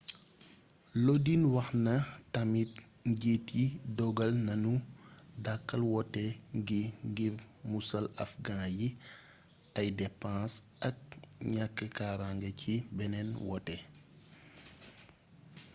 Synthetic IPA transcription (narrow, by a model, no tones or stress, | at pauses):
lodinwɐxnɐtɐmit̚ | ɟeːtidɔɡɐlnɐnudakːɐlwɔtɛŋɡiŋɡiɾ | musɐlɐfɡãːji | ɐjdɛpãːs | ɐk̚ɲakːəkaːɾaŋɡɐcibɛnɛnwɔtɛ